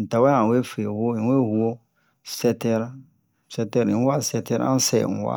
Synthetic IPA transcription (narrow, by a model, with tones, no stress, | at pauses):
n̩˨ta˨wɛ˦ã˨we˦fe˨hu˦o˦˨we˦hu˦o˦ | sɛ˦tɛ˦ɾ | sɛ˦tɛ˦ɾi˨n˦wa˦sɛ˦tɛ˦ɾʔa̰˦n˦sɛ̰˦˨ŋ̩˨wa̰˦